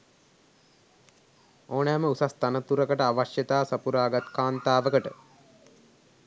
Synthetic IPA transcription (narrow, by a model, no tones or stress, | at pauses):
oːnɛːməusast̪anət̪uɾəkəʈəaʋaʃjət̪aːsɐpuɾaːɡat̪kaːnt̪aːʋəkəʈə